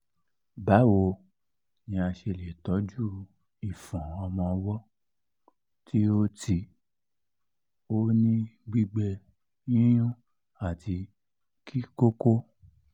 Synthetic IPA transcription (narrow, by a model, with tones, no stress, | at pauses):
ba˨˦wo˧ | ɲĩ˧a˧ʃe˧˨le˨tɔ˨˦d͡ʒu˦ | i˨fɔ̃˨ɔ˧mɔ̃˧wɔ˦ | tʰi˦o˦tʰi˧ | o˦nĩ˦ɡ͡bi˦ɡ͡bɛ˧ | jĩ˦j̃ũ˦ | a˦˨tʰi˧ | kʰi˦ko˦ko˦